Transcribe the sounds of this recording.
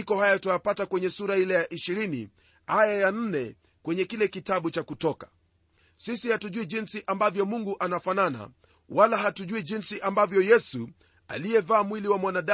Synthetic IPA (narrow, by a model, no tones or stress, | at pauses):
ikɔhajatajapatakwɛɲɛsuɾahilɛjaʔiʃiɾinḭ | ajajan̩nɛ | kwɛɲɛkilɛkitaɓut͡ʃakutɔkḁ | sisihatuʄuiʄinsiʔambavjɔmuŋɡuʔanafanana̰ | walaɦatuʄuiʄinsiʔambavjɔjɛsu | a̰liɛvaːmwiliwamwanaɗa